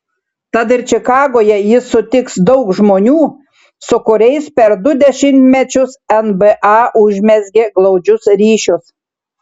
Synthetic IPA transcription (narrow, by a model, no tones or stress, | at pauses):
t̪ɐt̪̬ɪɾʲt͡ʃʲɪkɑːɡoːjɛjɪsːʊt̪ʲɪksd̪ɔʊkʒmoːnʲuː | sʊkʊɾʲɛɪspʲɛɾd̪ʊd̪ʲɛʃʲɪnʲt̪ʲmʲɛt͡ʃʲʊsɛnbɛʔɑːʔʊʒʲmʲɛzʲɡʲɪɡlˠɒʊd͡ʒʲʊsɾʲiːʃʲʊs